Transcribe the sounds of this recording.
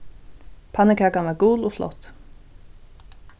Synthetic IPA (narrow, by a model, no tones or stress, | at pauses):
pʰanɪkʰakanvaɾɡuːlɔflɔ̰ht̪ː